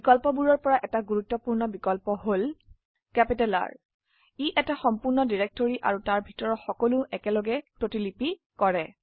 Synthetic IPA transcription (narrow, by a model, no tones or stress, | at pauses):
bikɔlpɔbuɹɔɹpɔɹaʔɛtaɡuɹutːɔpuɹnɔbikɔlpɔɦol | kɛpitɛla̰ɹ | iʔɛtaxɔmpuɹnɔdiɹɛk̚toɹiʔa̰ɹutaɹbʱitɔɹɔtxɔkɔlʊʔɛkɛlɔɡɛpɹotilipi | kɔɹɛ